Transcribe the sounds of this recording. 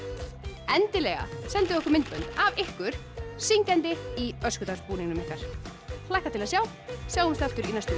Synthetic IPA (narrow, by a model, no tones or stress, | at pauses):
ɛnt̪ɪlɛːɣa̰sɛnt̪ɪɔhkʏɾmɪnt̪pœnt̪avɪhkʏɾ̥ | siŋcɛnt̪ɪiœskʏt̪ḁspuːniŋnʏmɪhkaɾ̥ | flajhkat̪ʰɪlaðsjaw | sjaːwhʏmst̪al̥t̪ʏɾinast̪ʏ